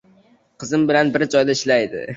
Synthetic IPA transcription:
qʰɨzɪmbɪlanbɪɾd͡ʒɒjd̪aɪʃlajd̪ɪ̰

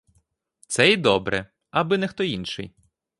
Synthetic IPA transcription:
t̪sɛid̪ɔbɾɛ̰ | ɐbɪnɛxt̪ɔinʃɪ̰j

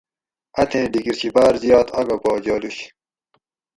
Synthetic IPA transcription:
ɐt̪ʰẽːɖiɡiɾt͡ɕibaːɾzjɑːt̪ɐɡaboːd͡ʑaːluɕ

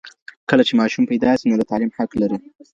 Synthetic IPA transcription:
kəlat͡ʃemɑʃumpajd̪ɑsinod̪ət̪alimħaklaɾi

